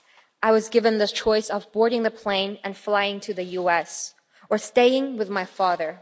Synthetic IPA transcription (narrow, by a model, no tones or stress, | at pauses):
ʔaɪwʌzɡɪvɨ̃nðɨt͡ʃʰɔɪsʌvbɔɹɾɪ̃ŋðɨpʰl̥ẽɪ̃nɨ̃nflaɪɪ̃ŋtʰɨðɨjuɛs | ə˞steɪɪ̃ŋwɨðmaɪfɑðə˞